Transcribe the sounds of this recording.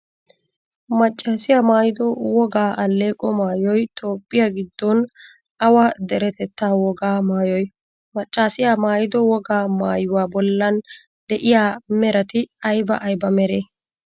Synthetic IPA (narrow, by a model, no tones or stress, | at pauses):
mɐt͡ʃʼːaːsɪjamaːjɪd̪ɔwɔɡaːʔɐlːe̞ːkʼɔmaːjɔjt̪ʰoːpʼːɪjaɡɪd̪ːɔn | ɐwɐd̪ɛɾɛt̪ɛt̪ːaːwɔɡaːmaːjɔj | mɐt͡ʃʼːaːsɪjaːmaːjɪd̪ɔwɔɡaːmaːjʊwaːbɔlːɐn | d̪ɛʔɪjaːmɛɾɐt̪ɪɐjbɐʔɐjbɐmɛɾeː